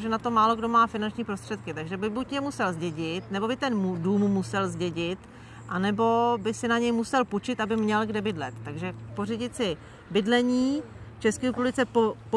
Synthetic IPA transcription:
ʒɛnat̪omaːlo̞ɡdo̞maːfɪnant͡ʃɲiːpɾost̪r̥ɛt̪kɪt̪aɡʒɛbɪbucjɛmusɛlzɟɛɟɪt̪nɛbo̞bɪt̪ɛnmuduːmːusɛlzɟɛɟɪt̪ | ʔanɛbo̞bɪsɪnaɲɛjmusɛlput͡ʃɪt̪abɪmɲɛlɡdɛbɪdlɛt̪ːaɡʒɛpo̞rɪɟɪt̪t͡sɪ | bɪdlɛɲiː | t͡ʃɛskɛːɾɛpublɪt͡sɛpop

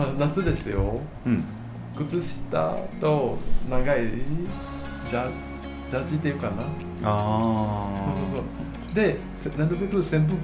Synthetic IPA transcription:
anat͡sɨd̪e̞sɨjo̞ | kɯ̟t͡sɨɕi̥t̪a̰t̪o̞naɡai | d͡ʑa | d͡ʑat͡ɕit̪ːeiɯ̟kana | a | sososo | d̪e̞ | snaɾɯ̟be̞kɯ̟sẽ̞mbɯ̟

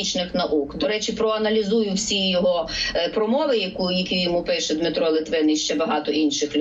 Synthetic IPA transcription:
it͡ʃnɪxnɐʔukd̪ɔɾɛt͡ʃipɾɔɐnɐlʲizujʊwsʲijɔɦɔpɾɔmɔʋɪjɐkujjɐkʲijɔmupɪʃɛd̪mɪt̪ɾɔlˠɪt̪ʋɪniʃt͡ʃɛbɐɦɑt̪ɔʔinʃɪxlʲ

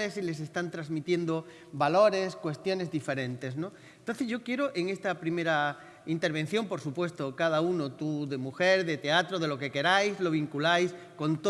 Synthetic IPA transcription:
esile̞se̞st̪ant̪ɾazmit̪je̞nd̪o̞ | balo̞ɾe̞skwe̞st̪jo̞ne̞zðife̞ɾẽ̞nt̪e̞sno | ent̪o̞nθe̞zʝo̞kje̞ɾoʔeŋe̞st̪apɾime̞ɾa | int̪e̞ɾβ̞e̞n̟θjo̞mpo̞ɾsupwe̞st̪okað̞aunot̪uðe̞muxe̞ɾðe̞t̪e̞at̪ɾoð̞e̞lo̞ke̞ke̞ɾajzlo̞β̞iŋkulajsko̞nt̪o

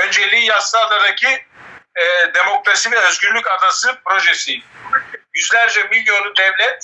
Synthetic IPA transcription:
ønd͡ʒelʲiːjaslˠɯad̪ad̪acʰi | d̪e̞mo̞kɾasivɛøzɡyɾlʲycad̪asɯpɾo̞ʒesi | jyzlʲæɾd͡ʒɛmiljo̞nˠud̪ɛvlʲɛt̪̚

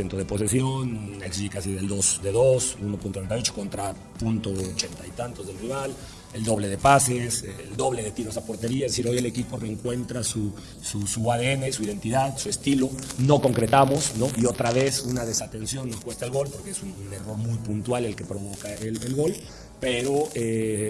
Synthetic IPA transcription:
ent̪oð̞e̞po̞s̬e̞sjo̞neksiʝekasiðe̞ld̪o̞sd̪e̞ðosunopunt̪oent̪ajot͡ʃoko̞nt̪ɾa | punt̪o̞ot͡ʃe̞nt̪ajt̪ant̪o̞zðe̞lriβal | e̞ld̪o̞β̞le̞ðe̞pase̞sld̪o̞βle̞ðe̞t̪iɾo̞sapo̞ɾt̪e̞ɾiaeze̞siɾo̞je̞le̞kipo̞re̞ːŋkwe̞nt̪ɾasu | susuaðee̞ne̞suiðe̞nt̪iðaðsuest̪ilo̞no̞ko̞ŋkɾet̪amo̞sno̞ʔio̞t̪ɾaβe̞sunaðe̞sat̪e̞nsjo̞nːo̞skwe̞st̪aelɣo̞lpo̞ɾkeesunne̞ro̞ɾmujpunt̪wale̞lke̞pɾo̞β̞o̞kaelelɣo̞l | pe̞ɾo̞e

